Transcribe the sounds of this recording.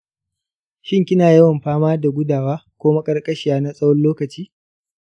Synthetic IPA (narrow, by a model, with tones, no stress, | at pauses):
ʃɪ˦ŋkʲɪ˦naː˨jɐ˦wɐ˨mɸaː˦maː˦da˨ɡʷʊ˦daː˨waː˦kʷoː˦ma˦kʼɐ˦rkʼɐ˦ʃɪ˨jaː˨˦na˦sʼɐ˦wɔ˦nloː˦kɐ˨t͡ʃiː˦